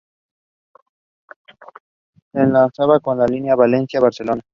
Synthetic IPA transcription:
senlansaβako̞nlalinjaβalensjaβaɾselona

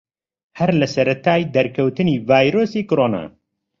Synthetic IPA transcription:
hɛɾlɐsɐɾɐt̪ʰaːjd̪ɐɾkʰɐwt̪ɨniːvaːjɾoːsiːkʊɾoːna̰ː

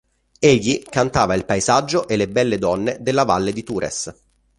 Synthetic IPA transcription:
eʎːikant̪aːvailpaezad͡ʒːoʔelːebɛlːed̪ɔnːed̪elːava̰lːed̪it̪uːɾʔḛs

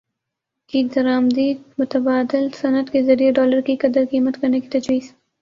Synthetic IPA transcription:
kid̪ɐɾaːmd̪iːmʊt̪ɐbaːd̪ɪlsɐnət̪kezɐɾijeɖɔːləɾkikɐd̪əɾkiːmɐt̪kɐɾneki̥t̪ɐd͡ʒwiːz̥

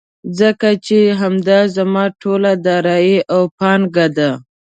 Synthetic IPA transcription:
zəkat͡ʃeɦamd̪ɑzamɑʈʰolad̪ɑɾɑjiʔawpɑnɡad̪a

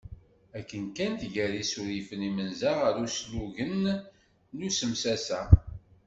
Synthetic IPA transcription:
ækːənkænt̪ʝæɾisuɾifənimənzaʁaɾusluʝənː | usəmsæsæ

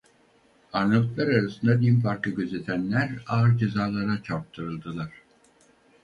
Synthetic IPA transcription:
aɾnɯlˠɯklˠaɾaɾasɯnd̪ad̪impʰaɾkɯɟʲøzet̪ʰænlʲæɾaːɯɾd͡ʒezaːlˠaɾat͡ʃʰap̚t̪ʰɯɾɯlˠd̪ɯlˠaɾ̥

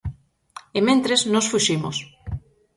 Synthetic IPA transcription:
emẽnt̪ɾeznosfuʃimo̰s

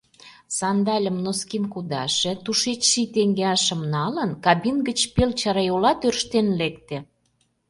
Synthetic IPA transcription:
sɑnd̪ɑlʲəmnoskinkud̪ɑʃĕt̪uʃet͡ɕʃit̪eŋɡeɑʃə̆mnɑlənkɑbinɡət͡ɕpelt͡ɕɑɾɑjolɑt̪ørʃt̪enlekt̪ĕ

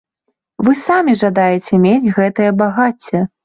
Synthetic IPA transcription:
vɨsamʲiʐad̪ajɛt͡sʲɛmʲed͡zʲɣɛt̪ɨjɐbaɣat͡sʲːɛ

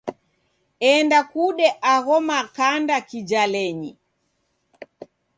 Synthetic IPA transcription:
ɛndakuɗɛʔaɣɔmakandakid͡ʒalɛɲḭ

